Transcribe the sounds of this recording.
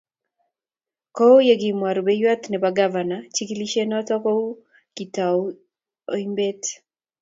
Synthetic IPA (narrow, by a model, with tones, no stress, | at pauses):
kɔ˦jeɡɪ˨mwa˨ɾubɛjwa˦t̪nɛ˨baɡavanat͡ʃiki˦li˦ʃenɔtɔ˦ko˦u˦ | ki˨ta˨u | oimbe˦t